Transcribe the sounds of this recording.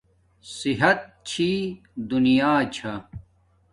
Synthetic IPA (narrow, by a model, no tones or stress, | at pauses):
siɦɐt̪̚t͡ɕʰi | d̪unijaːt͡ɕʰɐ